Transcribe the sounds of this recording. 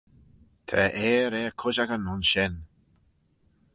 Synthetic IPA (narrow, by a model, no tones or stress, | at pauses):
t̪ʰɛ̰ʔeːɾeːkʰʊd͡ʒaɡənʊnʃɪn